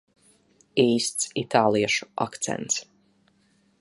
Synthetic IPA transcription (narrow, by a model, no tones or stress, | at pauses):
iːst̪sit̪aːlˠiɛʃu̥a̰kt̪sɛ̰nt̪s